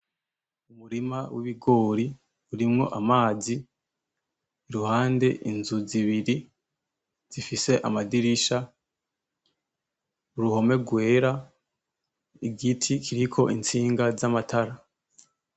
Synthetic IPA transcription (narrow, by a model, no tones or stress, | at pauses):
umuɾimawiβiɡo̞ːɾi | uɾimŋo̞̰ʔamaːzi | ɾuhaːnde̞ʔinzuziβiɾi | z̥ifise̞ʔamadiɾiʃa | uɾuho̞me̞ɾɡwe̞ːɾa | iɡitʰikʰiɾikʰo̞ʔint͡siːŋɡazamatʰaɾa